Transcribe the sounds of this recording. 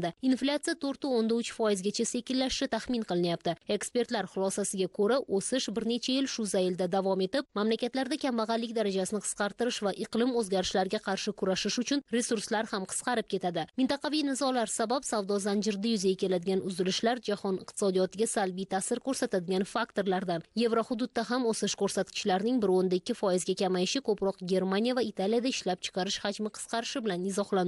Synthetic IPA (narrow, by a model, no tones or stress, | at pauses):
d̪ɪinflʲat̪sijat̪ʰoɾt̪ɪond̪aʊt͡ʃʰfɒjɪzɡʲat͡ʃʰase̞kʲɪlːaʃʃɪt̪ʰaχmɪnqʰɨlˠɪnjap̚t̪ɪe̞kspe̞ɾt̪laɾχʊlˠɒsasɪɡʲakʰɵɾaʔʔosɪʃbɪɾne̞t͡ʃʰajɪlʃʊzajɪld̪ad̪avɒme̞t̪ɪp̚mamlakʲat̪laɾd̪akʲʰambaʁɑlːɪkʲd̪aɾad͡ʒasɪnɪqʰɨ̥sqɑɾt̪ɨɾɪʃvaʔɨqlˠɪmɵzɡʲaɾɪʃlaɾɪɡʲaqʰɑɾʃɪkʰʊɾaʃɪʃʊt͡ʃʰʊnɾe̞suɾslaɾhamqʰɨ̥sqɑɾɪp̚kʲʰe̞t̪ʰad̪ɪmɪnt̪ɑqʰɑvijnɪzɒlaɾsabapsavd̪ɒzand͡ʒɪɾd̪ajʊzajakʲʰe̞lad̪ɪɡʲanʊzɪlɪʃlaɾd͡ʒahɒnɪqt̪ʰɪ̥sɒd̪ijɒt̪ɪɡʲasalˠbijt̪ʰasɪɾkʰɵɾsat̪ʰad̪ɪɡʲanfakt̪o̞ɾlaɾd̪anje̞vɾohʊd̪ʊd̪̚ːaɦamosɪʃkɵɾsat̪kʲʰɪ̥ʃlaɾnɪŋbɪɾond̪aɪkʲːɪfɒjɪzɡʲakʲamajɪʃɪkʰɵpɾɒqɡʲe̞ɾmanijavaɪt̪ʰalijad̪aɪʃlap̚t͡ʃʰɨ̥qʰɑɾɪʃhad͡ʒmɪqʰɨ̥sqʰɑɾɪʃɪbɪlanɪzɒhlˠa